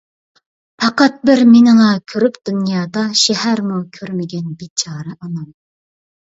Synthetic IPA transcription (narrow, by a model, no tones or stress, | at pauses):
pʰɑqɑt̪̚bɪɾmɪnɨŋɑkʲʰøɾypd̪̥ynjɑːd̪ɑʃɛɦæɾmukʲʰøɾmɪɡʲɛnbit͡ʃʰɑːɾɨʔɑnɑm